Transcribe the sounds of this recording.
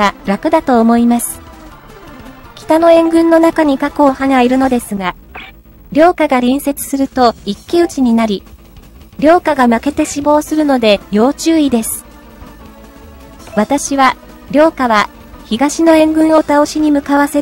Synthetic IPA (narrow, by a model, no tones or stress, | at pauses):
aɾakɯ̟d̪at̪o̞ːmo̞imasɨ̥ | kʲi̥t̪ano̞ẽ̞ŋɡɯ̟̃nːo̞nakaɲ̟ikako̞ːhanaiɾɯ̟no̞d̪e̞sɨɡa | ɾʲo̞ːkaɡaɾʲĩɰ̃se̞t͡sɨ̥sɨɾɯ̟t̪o̞ikʲːiɯ̟t͡ɕiɲ̟inaɾʲi | ɾʲo̞ːkaɡamake̞t̪e̞ɕibo̞ːsɨɾɯ̟no̞d̪e̞jo̞ːt͡ɕɨːid̪e̞sɨ̥ | βat̪aɕiβ̞a | ɾʲo̞ːkaβa | çiɡaɕino̞ẽ̞ŋɡɯ̟̃ɰ̃o̞t̪ao̞ɕiɲ̟imɯ̟kaβase̞ɾɯ